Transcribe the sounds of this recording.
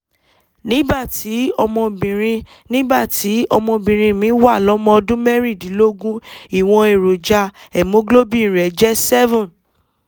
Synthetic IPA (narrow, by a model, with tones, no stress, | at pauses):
nĩ˦ba˦˨ti˨˦ɔ˧mɔ̃˧bĩ˨ɾ̃ĩ˧ | nĩ˦ba˦˨ti˨˦ɔ˧mɔ̃˧bĩ˨ɾ̃ĩ˧mĩ˨˦wa˦˨lɔ˨˦mɔ̃˧ɔ˧dũ˦mɛ˦ɾi˦˨dĩ˨˦lo˦ɡũ˦i˦˨w̃ɔ̃˧e˨ɾo˨d͡ʒa˧ɛ˨mõ˨˦ɡlo˦bi˦˨ɾɛ˨d͡ʒɛ˦sɛ˦vɔ̃˦˨n